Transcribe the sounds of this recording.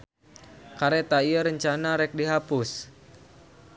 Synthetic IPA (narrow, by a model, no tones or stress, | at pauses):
kaɾet̪aiəɾəɲt͡ʃanaɾɛk̚diɦapʊs